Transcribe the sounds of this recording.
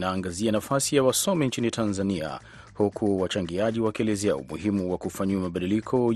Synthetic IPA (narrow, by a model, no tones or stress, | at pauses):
naːŋɡazianafasijawasɔmɛnt͡ʃinitʰanzania̰ | hukʰuwat͡ʃaŋɡiaʄiwakiɛlɛzɛa̰ṵmṵhimuwakufaɲuumaɓaɗilikʰɔ